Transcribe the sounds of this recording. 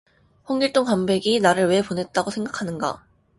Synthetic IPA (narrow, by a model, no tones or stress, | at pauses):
ɸoŋɡiɭt͈oŋkambe̞ɡinaɾɯɭwe̞ponɦe̞t̚t͈aɡosʰe̞ŋɡakʰanɯnɡa̰